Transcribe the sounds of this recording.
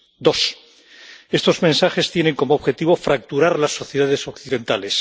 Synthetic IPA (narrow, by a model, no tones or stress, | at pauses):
d̪o̞s | e̞st̪o̞zmẽ̞nsaxe̞st̪je̞ne̞ŋko̞moːβxe̞t̪iβo̞fɾak̚t̪uɾaɾlasːo̞θjeðaðe̞so̞kθiðẽ̞nt̪ale̞s